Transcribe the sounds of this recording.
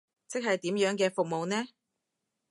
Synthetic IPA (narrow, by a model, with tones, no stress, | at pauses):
t͡sɪ˥k̚hɐ˨jt̪iː˨˥mjœː˨˥ŋkɛː˧fʊ˨k̚mo˨wnɛː˥